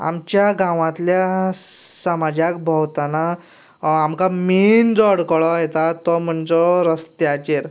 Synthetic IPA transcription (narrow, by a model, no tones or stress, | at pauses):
a̰mt͡ɕjaɡãʋãt̪lja | səmad͡ʑak̚bʱəwt̪ana | amkamind͡zɔɽkɭɔet̪at̪ɔm̤əɳd͡zɔɾəst̪jat͡ɕeɾ